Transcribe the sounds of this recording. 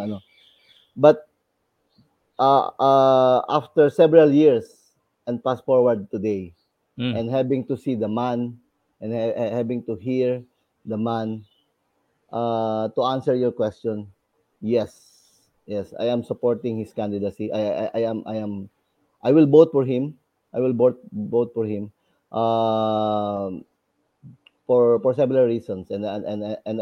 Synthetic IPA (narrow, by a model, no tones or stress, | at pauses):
ɐno | bɐt̪̚ | ʔaaʔaft̪ɛɹsɛvɛɹaljiɹs | ʔɛ̃nd̪̚pasfɔɹwɐɹd̪̚t̪ʊd̪ej | ʔɛ̃nd̪habɪ̃ŋt̪ʊsid̪ɐmãn | ʔɛ̃nhæbɪ̃ŋt̪uɦiɹ | d̪ɐmãn | ʔat̪ʊʔãnsɛɹjɔɹkwɛst͡ʃɔ̃n | jɛs | jɛsa̰jãmsɐpoɹt̪ɪ̃ŋhɪskãnd̪ɪd̪ɐsiʔajajʔajãmʔa̰jãm | ʔajwɪlbowt̪̚fɔɹɦɪ̃m | ʔajwɪlbot̪̚bowt̪̚fɔɹhɪ̃m | ʔa | fɔɹfɔɹsɛmɪlɐɹːisɔ̃nsɛ̃nd̪aɛ̃nɛ̃